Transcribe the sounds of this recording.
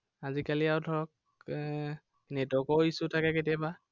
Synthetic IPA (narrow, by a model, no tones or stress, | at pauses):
azikaliawdʱɔɹɔk̚ | nɛtɔkɔisʊtʰakɛketiaba